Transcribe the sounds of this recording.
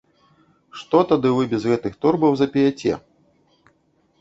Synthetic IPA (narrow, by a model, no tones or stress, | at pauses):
ʂt̪ɔt̪ad̪ɨvɨbʲɛzɣɛt̪ɨxt̪ɔrbɐwzɐpʲijat͡sʲɛ̰